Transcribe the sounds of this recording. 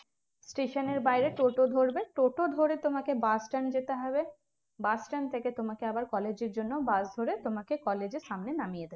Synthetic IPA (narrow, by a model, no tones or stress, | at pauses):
sʈeʃoneɾbajɾeʈoʈod̪ʱoɾbeʈoʈod̪ʱoɾet̪omakebasʈand͡ʑet̪eɦɔbe | basʈant̪ʰeket̪omakeabaɾkɔled͡ʑeɾd͡ʑonːobasd̪ʱoɾet̪omakekɔled͡ʑeɾʃamnenamijed̪ebe